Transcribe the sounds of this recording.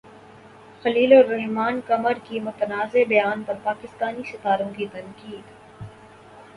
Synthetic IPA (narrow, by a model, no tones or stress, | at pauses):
xɐliːlɔɾːɐɦmaːnkɐməɾkimʊt̪ənaːzebɐjaːnpɐɾpaːkɪst̪aːnisɪt̪aːɾõkit̪ɐŋkiːd̪